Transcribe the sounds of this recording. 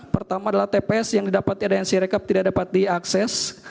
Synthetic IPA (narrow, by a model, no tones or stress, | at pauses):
pərt̪amaːdalaht̪epeɛsjaŋdidapat̪̚iadajansiɾekap̚t̪idak̚dapat̪̚diaksɛs